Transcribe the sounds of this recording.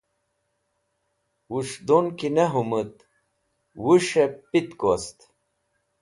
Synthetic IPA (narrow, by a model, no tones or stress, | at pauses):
wuʂd̪onkineɦumut̪ | wuʂepit̪kost̪